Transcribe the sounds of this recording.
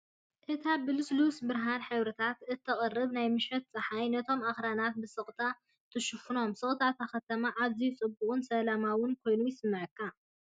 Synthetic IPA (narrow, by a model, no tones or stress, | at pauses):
ʔɨt̪ʰabɨlɨslusbɨɾɦanħɨβɾɨt̪ʰat̪ɨt̪ʰːɐχʼɐrːɨβnajmɨʃɐt̪̚t͡sʼɨħajnɐt̪ʰo̞maxɾanat̪̚bɨsɨχʼt̪ʰa | t̪ʰɨʃɨfɨno̞msɨχʼt̪ʰat̪ʰaxɐt̪ʰɐmaʔaβzijut͡sʼɨbʊχʼʊnsɐlamawʊnkʰo̞jnujɪsɨmːɨʕɨkːa